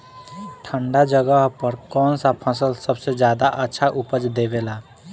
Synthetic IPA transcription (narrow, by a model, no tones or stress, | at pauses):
ʈʰə̃ɳɖad͡ʒəɡəɦpəɾkɔːnsapʰəsəlsəbsed͡ʒjaːd̪aʔətːʃʰaʔʊpəd͡ʒd̪eːbeːlaː